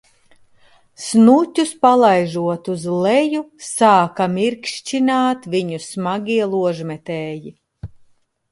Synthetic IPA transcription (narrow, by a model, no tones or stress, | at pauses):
snutʲuspalˠajʒuɔt̪uzlɛjusaːkamiɾkʃt͡ʃinaːt̪vʲiɲusmaɡʲiɛlˠuɔʒmʲɛt̪ɛːji